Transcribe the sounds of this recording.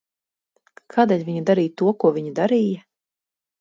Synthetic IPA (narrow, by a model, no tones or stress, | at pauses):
kʰaːd̪eːlʲvʲiɲud̪aɾiːjt̪uɔkuɔvʲiɲud̪aɾija